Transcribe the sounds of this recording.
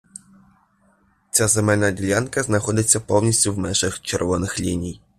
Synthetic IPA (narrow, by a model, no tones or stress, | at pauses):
t͡sʲazemɛlʲnɐdʲilʲankɐznɐxɔd̪ɪt͡sʲːɐpɔwnʲisʲtʲʊwmɛnʒɪxt͡ʃerʋɔnɪxlʲinʲij